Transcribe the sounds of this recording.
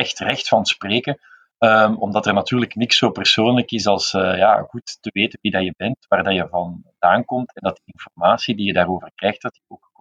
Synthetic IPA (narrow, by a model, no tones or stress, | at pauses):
ɛxtrɛxtfɑnspreːkə | əmɔmdɑtɛrnɑtyːrləknɪksoːpərsoːnləkɪsɑlˠsəja̰ːɣutːəʋeːtənʋidaːjəbɛntʋaːrdajəvɑndaːnkɔmtɛndɑt̚diɪnfɔrmaːsidijədaːɾoːvərkrɛjxt̚d̥ɑtəoːk